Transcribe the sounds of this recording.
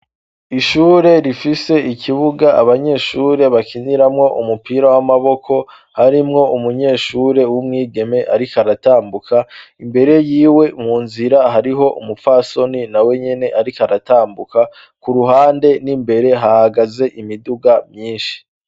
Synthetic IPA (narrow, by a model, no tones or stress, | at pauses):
iʃuːɾe̞ɾifise̞ikʰiβuɡaʔaβaɲe̞ːʃuːɾe̞βakiniɾamŋo̞ʔumupiːɾawamaβo̞kʰo̞ | haɾimŋo̞umuɲe̞ːʃuɾe̞wumŋiːɡe̞me̞ʔaɾikaɾataːmbukʰaimbe̞ɾe̞jiːwe̞muːnziɾaɦaɾiɦo̞ʔṵmupfaso̞ninawe̞ɲe̞ne̞ʔaɾikaɾataːmbuka | kuɾuɦaːnde̞nimbe̞ɾe̞ɦahaɡaze̞ʔimiduɡamɲiːnʃi̥